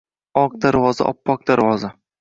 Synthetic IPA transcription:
ɒq̚d̪aɾvɒza̰ʔɒ̰pːɒk̚d̪aɾvɒza

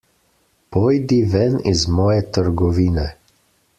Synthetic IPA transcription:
pojd̪iʋɛnizmɔːjɛt̪əɾɡɔʋiːnɛ

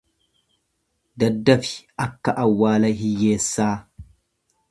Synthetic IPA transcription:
d̪ɐd̪ːɐfɪ̥ʔɐkːɐʔɐwːaːlɐɦɪjːeːsːaː

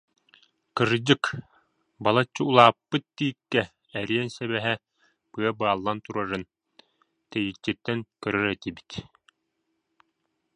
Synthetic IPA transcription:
kɯɾd͡ʑɯk | balˠat͡ɕːɯulˠaːpːɯt̪̚d̪iːkːɛː | ɾiɛnsɛβɛɦɛ | bɯɐbaːlˠːant̪uɾaɾɯn | t̪ɛjit͡ɕːit̪ːɛŋkœɾœɾɛt̪ibi̥t̪

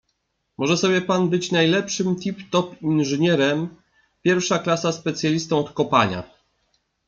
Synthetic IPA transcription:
mɔʐɛsɔbʲjɛpanbɘt͡ɕnajlɛpʂɘmt̪ʲipt̪ɔpinʐɘɲɛɾɛm | pʲjɛɾfʂaklasaspɛt̪sʲjalʲist̪ɔ̃w̃ɔt̪kɔpa̰ɲa̰

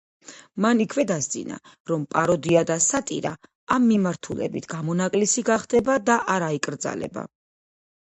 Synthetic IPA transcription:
manikʰvɛd̪asd̪zḭna̰ | ɾɔmpʼaɾɔd̪iad̪asat̪ʼḭɾa̰ | amːimaɾt̪ʰulɛ̰bit̪ʰɡ̥amɔnakʼlisiɡaχd̪ɛbad̪aʔaɾaikʼɾd̪za̰lɛ̰ba̰

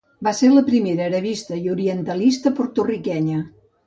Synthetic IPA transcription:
baseɾləpɾimeɾəɾəβist̪əiuɾiənt̪əlist̪əpoɾt̪urikɛɲə

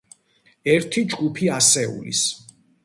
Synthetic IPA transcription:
ɛɾt̪ʰid͡ʒɡupʰiasɛṵlḭs

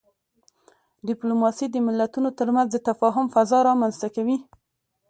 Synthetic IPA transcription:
ɖɪplomɑsid̪əmɪlːat̪unot̪əɾmanzd̪ət̪afɑɦʊmfazɑɾɑmanzt̪akawi

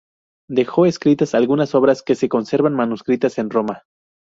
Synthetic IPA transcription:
d̪e̞xo̞e̞skɾit̪asalɣunaso̞βɾaske̞seko̞nse̞ɾβanmanuskɾit̪ase̞nro̞ma

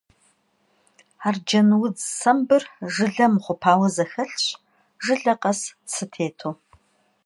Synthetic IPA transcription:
aːrd͡ʒɐnwʊd͡zsɐmbɨrʒɨɮɐmχʷʊpʰaːwɐzɐxɐɬɕ | ʒɨɮɐqɐssɨtʰeːtʰoː

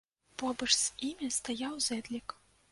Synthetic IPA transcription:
pɔbɐʂz̥imʲɐst̪ajawzɛd̪lʲik

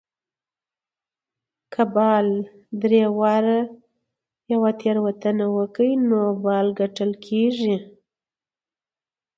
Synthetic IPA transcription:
kʰabɑl | d̪ɾewɑɾa | jawat̪ʰeɾwat̪ənawəkəinobɑlɡaʈəlkʰeʒi

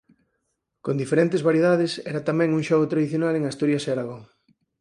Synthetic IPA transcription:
kond̪ifeɾent̪ezβaɾjeðaðɪsɛ̰ɾat̪amɛ̃ŋuŋʃɔɣot̪ɾaðiθjonaleŋast̪uɾjaseaɾaɣoŋ

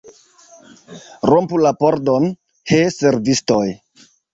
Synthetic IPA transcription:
ɾompulapo̞ɾdo̞n | hese̞ɾvistoj

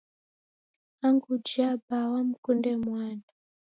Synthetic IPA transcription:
aŋɡud͡ʒiabawamukundɛmwaːna

